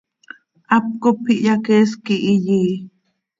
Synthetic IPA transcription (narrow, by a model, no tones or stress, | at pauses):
ʔap̚kopʰiʔjakeskiʔijiː